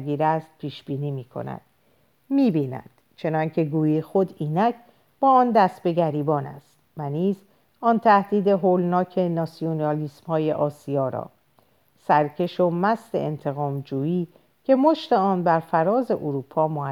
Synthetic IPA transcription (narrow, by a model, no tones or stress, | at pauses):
ɡiːɾæst̪̚pʰiːʃb̥iːniːmiːkʰo̞̰næ̰d̪̥ | miːbiːnæ̰nd̪̥t͡ʃʰe̞nɒːŋcʰe̞ɡuːjixod̪iːnækʰ | b̥ɒːɒːnd̪æst̪̚be̞ɡæɾiːbɒːnæ̰st̪væniːz | ɒːnt̪ʰæhd̪iːd̪e̞ɦoːlnɒːcʰe̞nɒsionɒːliːsmhɒːje̞ʔɒːsijɒːɾɒ̰ː | sæɾcʰe̞ʃomæsd̪e̞̰ʔḛnt̪ʰe̞ɣɒːmd͡ʒuːiː | cʰe̞moʃt̪e̞ɒːnbæɾfæɾɒːze̞ʔoɾuːpʰɒːmoæ